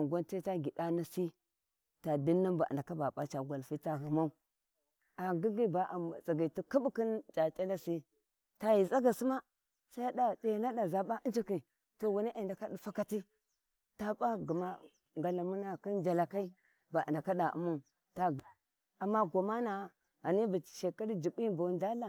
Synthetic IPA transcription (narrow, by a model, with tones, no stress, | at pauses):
a˨ɡʷa˦nte˦ta˦ɡi˨da˦na˦si˦ | ta˨di˦nːa˦mba̰˨n˨da˨ka˦ba˨ɓa˦t͡ʃa˨ɡʷa˨lfi˦ta˨ɣə˨ma˦u˦ | a˨ɡi˦ɡi˦ba˨ʔa˨t͡sa˨ɡa˨ti˦ki˦bu˦ki˦nd͡ʒa˨tʼa˦la˦si˦ | ta˨ji˨za˦ɡa˨si˦ma˦ | sa˦ja˦da˨ɗe˨jna˦da˨za˨ɓa˦ʔə˦d͡ʒi˦ki˨ | to˨wu˨ni˦ʔa˨i˨nda˨ka˦di˨fa˦ka˦ti˦ | ta˨ɓa˦ɡi˨ma˦ | ŋɡa˨la˨mu˦na˦ki˦nd͡ʒa˨la˨ka˦i˦ | ba̰˨nda˨ka˦da˨ʔṵ˦ma˦u˨ | ta˨ | a˨mːa˦ɡo˨ma˦na˨˦ | a˨ni˦bi˨ʃe˨ka˦ɾi˦d͡ʒi˨ɓi˦ba˨˦nd͡ʒa˦la˨